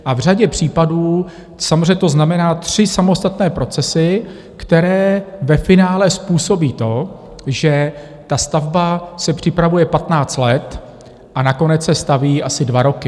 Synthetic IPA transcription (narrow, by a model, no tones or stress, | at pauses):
ʔavr̝aɟɛpr̝̥iːpaduː | samozreɛɲɛt̪oznamɛnaːt̪r̝̥ɪsamo̞st̪at̪nɛːpɾo̞t͡sɛsɪ | kt̪ɛɾɛːvɛfɪnaːlɛspuːso̞biːt̪o̞ | ʒɛ | t̪ast̪avbasɛpr̥ɪpɾavujɛpat̪naːt͡st̪lɛt̪ | ʔanako̞nɛt͡ssɛst̪aviːʔasɪdvaɾo̞kɪ